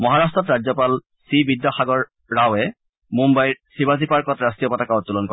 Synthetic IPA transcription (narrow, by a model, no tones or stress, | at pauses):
mɔɦaɹastɹɔtɹad͡ʑzɔpal | sibidːɔxaɡɔɹː | awɛ | mumbajɹsibazipaɹkɔtɹastijɔpɔtakaɔtulɔnkɔ